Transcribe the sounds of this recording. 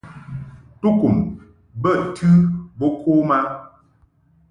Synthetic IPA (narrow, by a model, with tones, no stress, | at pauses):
tu˦ku˨m | bə˦˨ʔtʰɨ˦bo˦kʰo˦ma˦